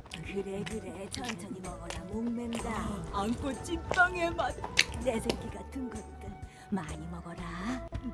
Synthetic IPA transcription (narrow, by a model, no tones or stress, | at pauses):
kɯɾekɯɾet͡ɕʰʌnt͡ɕʰʌɲimʌɡʌɾamoŋmendaːŋkʰot͡ɕ͈ik̚t͈ʌŋemadnesʰʌk͈iɡatʰɯŋɡʌtt͈ɯn | maɲimʌɡʌda